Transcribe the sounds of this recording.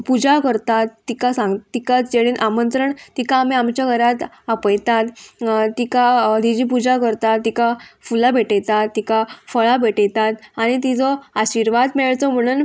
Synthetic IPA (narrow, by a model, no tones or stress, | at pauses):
pud͡ʑakəɾt̪at̪ːikasãŋɡt̪ikat͡sd͡ʑeɽiːnʔamənt̪ɾəɳt̪ikaːmiamt͡ɕjaɡʱəɾat̪ | apəjt̪at̪ːikad̪id͡ʑiːpud͡ʑakəɾt̪at̪ːikafulabʱeʈəjt̪at̪ːikafəɭabʱeʈəjt̪at̪aɽ̃it̪̬id͡zɔaɕiɾʋad̪meɭt͡sɔm̤əɽ̃uːn